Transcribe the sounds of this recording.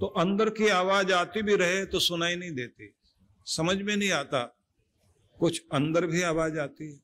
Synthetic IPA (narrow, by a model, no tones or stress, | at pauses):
t̪oʔɐ̃nd̪əɾkiaːʋaːd͡ʒaːt̪ibʱiɾɐɦet̪osʊnaːinɐɦĩd̪eːt̪i | sɐməd͡ʒʱmẽnɐɦĩaːt̪a̰ | kʊt͡ʃʰɐ̃nd̪əɾbʱiaːʋaːd͡ʒaːt̪iɦɛː